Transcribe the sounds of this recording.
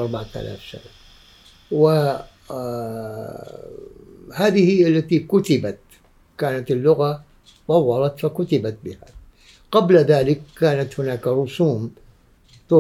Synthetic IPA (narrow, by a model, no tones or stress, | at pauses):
ʔɑɾˤbaʕaθa̰la̰ːfʃa̰n | wɪ | haːðɪhɪːalːat̪ikʊt̪ɪbat̪ | kaːnat̪ɪlːʊɣa | t̪ˤɑwːɑlɑt̪fakʊt̪ɪbat̪̚bɪha̰ | qablðaːlɪkːaːnat̪hʊnaːkɾˤʊsuːm | t̪ʊ